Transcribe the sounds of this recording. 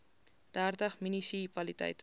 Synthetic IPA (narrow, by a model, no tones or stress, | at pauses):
d̥æːrdəχminisipɐlitɛ̰jtə